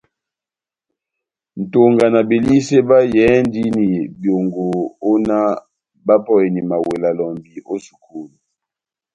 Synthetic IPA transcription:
n̩˨to˨ŋɡa˨na˨bi˨li˦se˦ba˦jɛ˨˦ndi˦ni˨bjo˨ŋɡo˨o˦na˦ | ba˦pɔ˦e˨ni˨ma˨we˨la˨lɔ˨mbi˨o˦su̥˨kʰu˦˨lu˨

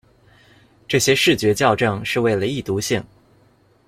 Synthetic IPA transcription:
ʈ͡ʂɤ˥˩ɕjɛ˥ʂɻ̩˥˩t͡ɕɥɛ˧˥t͡ɕjɑ˥˧ʊʈ͡ʂɤ˥˧ŋʂɻ̩˥˧we˥˩ɪlə˩i˥˩t̪u˧˥ɕi˥˩ŋ

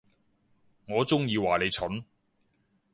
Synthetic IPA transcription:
ŋɔː˨˧t͡sʊ˥ŋjiː˧waː˨˩le˨˧jt͡ʃʰɵ˨˥n

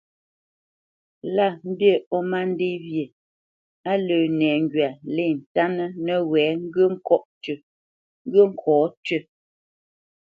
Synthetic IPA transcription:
la˦˨m̩˦bje˦˨ɔ˦ma˦n̩˦de˦vje˨ | a˦ləː˨nɛː˨ŋ˨ɡɥa˨le˦˨n̩˨ta˦nə˦nə˦wɛː˨˦ŋ̩˦ɡə˦ŋ̩˦kɔ˦ʔt͡ʃə˨ | ŋ̩˦ɡə˦ŋ̩˦kʰɔː˨˦tɥə˦

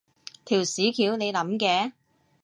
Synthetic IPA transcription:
t̪ʰiː˨˩wsiː˨˥kʰiː˨˥wne˨˧jlɐ˨˥mkɛː˨˥

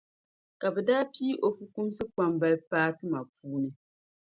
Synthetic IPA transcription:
ka˨bɛ˨daː˦pi˦ʔo˨fu˦ku˦msɨ˦k͡pa˦mba˦lpaː˦tɨ˦ma˨puː˦nɨ˦

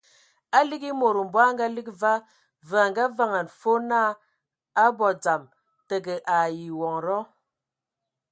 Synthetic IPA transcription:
a˦li˦ɡi˦mo˨ɾu˨m̩˨bwa˦ŋ˦ɡa˦li˦kva˦ | və˨a˨ŋɡa˦va˦ŋa˨nfo˦na˦ | a˦bɔ˨d͡za˨m | tə˨ɡə˨ʔa˨ji˨wɔ˨ŋɾɔ˦

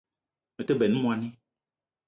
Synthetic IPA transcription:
mẽ˨t̪e˦be˨nũ˦mũ˦a˨nẽ˦

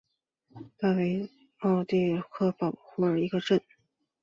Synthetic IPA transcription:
t̪a˥˩we˧˥ɪ | ɑ˥˩ʊt̪i˥˧˩kʰɤ˥˩fɑ˨˩ʊxu˥˩ə˞˨˩i˧˥ɡə˧ʈ͡ʂə˥˩n

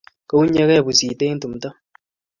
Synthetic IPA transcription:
kə˦u˦ɲɛ˦kɛ˦˨bu˨si˨te˦n̩˦tu˨m˨ta˦

